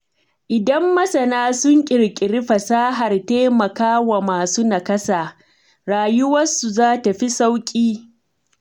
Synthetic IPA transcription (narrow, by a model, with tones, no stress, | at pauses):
ʔɪ˨dɐ˦mːɐ˦sɐ˨naː˦sʊ˦ŋkʲʼɪ˨ɽkʲʼɪ˨ɾɪ˦ɸɐ˨saː˦ɦa˨rteː˦mɐ˨kaː˦wa˨maː˨su˦na˨kɐ˦saː˨ | ɾaː˨jʊ˦wɐ˦su˨zaː˦ta˨ɸi˦sa˦wkʲʼiː˦